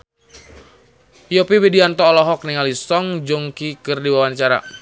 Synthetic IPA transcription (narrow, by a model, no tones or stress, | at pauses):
jopiwediant̪ɔːlɔɦɔk̚niŋalisɔŋd͡ʒɔŋkikɨrdiwawant͡ʃaɾa̰